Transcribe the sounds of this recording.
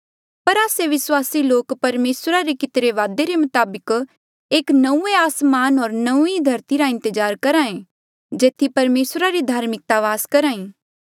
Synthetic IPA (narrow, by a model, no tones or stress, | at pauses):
pɐɾaːseʋɪswaːsiloːkpɐɾmeːsɾaɾekɪt̪ɾeʋaːd̪eɾemʊt̪aːbɪk | eːknɐũeaːsmaːnɦɔːɾnɐũid̪ʱɐɾt̪iɾaɪ̃nt̪əd͡ʒaːɾkɐɾãːẽ | d͡ʒeːt̪ʰːipɐɾmeːsɾaɾid̪ʱaːɾmɪk̚t̪aʋaːskɐɾaːĩː